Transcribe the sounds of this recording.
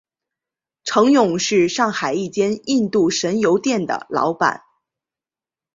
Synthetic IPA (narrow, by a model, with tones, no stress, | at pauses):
ʈ͡ʂʰɤ˧˥ŋjʊ˨˩ŋʂɻ̩˥˧ʂɑ˥˩ŋxa˨˩ɪi˥˩t͡ɕjɛ˥ni˥˧nt̪u˥˩ʂə˧˥njo˧˥ʊt̪jɛ˥˩nd̪ə̰˩lɑ̰˧˥ʊpa̰˨˩˦n